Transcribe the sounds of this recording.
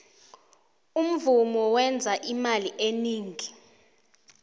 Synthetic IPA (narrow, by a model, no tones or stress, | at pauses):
um̩vumɔwɛnd͡zʱaʔimaliʔeniːŋʱi